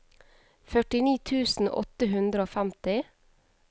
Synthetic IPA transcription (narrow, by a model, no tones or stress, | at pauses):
fœʈɪniːt̪ʰʉːsn̩ʔɔ̰t̪əhʉnd̪ɾəoːfæmt̪ɪ